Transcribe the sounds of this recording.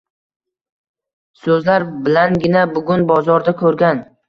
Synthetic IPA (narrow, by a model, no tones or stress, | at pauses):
sɵzlaɾbɪlanɡʲɪnabʊɡʲʊnbɒzɒɾd̪akʰɵɾɡʲan